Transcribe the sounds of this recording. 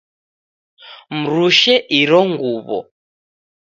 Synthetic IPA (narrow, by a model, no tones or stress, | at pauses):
m̩ɾuʃɛʔiɾɔŋɡuβɔ̰